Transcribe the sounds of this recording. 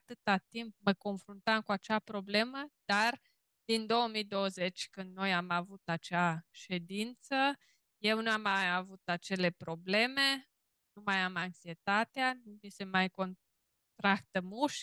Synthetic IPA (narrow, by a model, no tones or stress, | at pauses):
t̪ɨt̪at̪imp̚məko̞nfɾunt̪amkuat͡ʃapɾo̞ble̞məd̪̥ar | d̪̥ind̪o̞wəmijd̪o̞wəze̞t͡ʃʲkɨnd̪no̞jamavut̪at͡ʃeaʃe̞d̪int̪sə | je̞wnuamajavut̪at͡ʃe̞le̞pɾo̞ble̞me̞ | numajamaŋksie̞t̪at̪eanumise̞majko̞n | t̪ɾakt̪əmuʃ